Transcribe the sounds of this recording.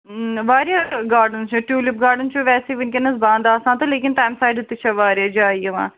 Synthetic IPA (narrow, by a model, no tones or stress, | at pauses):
ʋaːɾjaːɡaːɾɖənt͡ʃːʈjuːlɪp̚ɡaːɾɖənt͡ʃoʋɛːsiʋɪnkenɐsbãːnd̪aːsãːt̪ɐleːkɪnʈaːjmsaːɪɖɐt̪ːit͡ʃʰaʋaːɾjaːd͡ʒaːiːəʋã̰ː